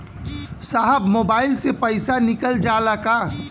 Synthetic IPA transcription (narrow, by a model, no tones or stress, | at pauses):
saɦəbmoːbaːɪlsepəɪsanɪkəld͡ʒaːlaka